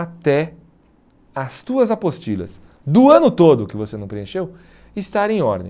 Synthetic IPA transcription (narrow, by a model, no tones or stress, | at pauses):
at̪ɛ | ɐst̪uɐzapost͡ʃilɐ̰s | d̪ʊɐ̃nʊt̪od̪ʊkɪvosenɐ̃w̃pɾeẽʃew | ɪst̪aɾẽj̃ɔɾd̪ḛ̃